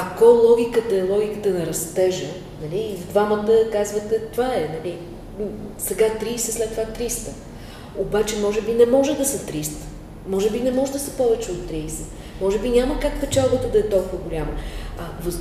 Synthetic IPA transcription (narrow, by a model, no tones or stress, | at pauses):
ɐkɔlˠɔɡʲikət̪əɛlˠɔɡʲikət̪ənɐɾɐst̪ɛʒə | nɐlʲiːvd̪vamət̪əkazvət̪ɛt̪ovaɛnɐlʲi | sɛɡat̪ɾiːsɛslɛt̪ːovat̪ɾist̪ə | obat͡ʃɛmɔʒɛbinɛmɔʒɛd̪ɐsət̪ɾist̪ə̥ | mɔʒɛbinɛmɔʒɛd̪ɐsəpɔvɛt͡ʃɛot̪ːɾiːsɛ̥ | mɔʒɛbinʲaməkakpɛt͡ʃalˠbət̪əd̪ɐɛt̪ɔlˠkuvəɡolʲaməɐvə